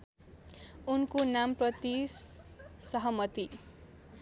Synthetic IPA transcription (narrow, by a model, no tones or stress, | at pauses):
unkonamprʌt̪issʌɦʌmʌt̪i